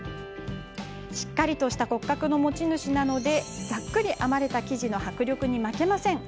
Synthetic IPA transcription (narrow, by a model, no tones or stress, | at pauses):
ɕi̥kːaɾʲit̪o̞ɕi̥t̪ako̞kːakɯ̟no̞mo̞t͡ɕinɯ̟ɕinano̞d̪e̞d͡zakːɯ̟ɾʲiʔamaɾe̞t̪akʲiʑino̞hakɯ̟ɾʲjo̞kɯ̟ɲ̟imake̞masẽ̞ŋ